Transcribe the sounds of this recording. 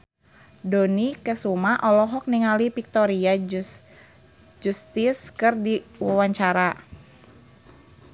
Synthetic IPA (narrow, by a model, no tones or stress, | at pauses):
donikəsumaʔɔlɔɦɔk̚niŋalipik̚t̪ɔɾia | d͡ʒust̪iskɨrdiwɔwaɲt͡ʃaɾa